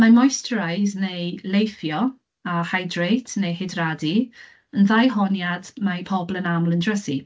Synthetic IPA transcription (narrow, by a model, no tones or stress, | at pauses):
mamɔjstrajznejlejfjɔ | ahajdrejtʰnejhɪdradi | ənðajɦɔnjadmapʰɔblˠənamlˠəndrəsi